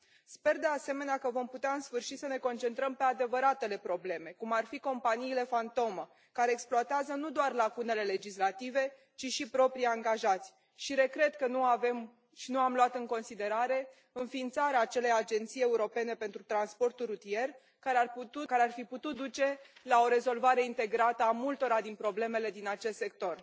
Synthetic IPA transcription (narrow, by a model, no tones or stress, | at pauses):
spe̞rd̪e̞ase̞me̞neakəvo̞mput̪eaɨnsfɨrʃisəne̞ko̞nt͡ʃe̞nt̪ɾəmpe̞ad̪e̞vəɾat̪e̞le̞pɾo̞ble̞me̞kumarfiko̞mpaniːle̞fant̪o̞mə | kaɾe̞ːksploat̪eazənud̪oarlakune̞le̞le̞d͡ʒislat̪ive̞ | t͡ʃiʃipɾo̞pɾijaŋɡaʒat̪sʲ | ʃiɾe̞kɾe̞d̪kənuavem | ʃinuamloat̪ɨŋko̞nsid̪e̞ɾaɾe̞ | ɨnfiːnt̪saɾeaːt͡ʃe̞le̞jad͡ʒe̞nt̪sije̞uɾo̞pe̞ne̞pe̞nt̪ɾut̪ɾanspo̞rt̪ulrut̪ie̞r | kaɾearput̪ukaɾearfiput̪ut̪̚d̪ut͡ʃe̞lao̞ɾe̞zo̞lvaɾe̞int̪e̞ɡɾat̪əamult̪o̞ɾad̪inpɾo̞ble̞me̞le̞d̪inat͡ʃe̞st̪se̞k̚t̪o̞r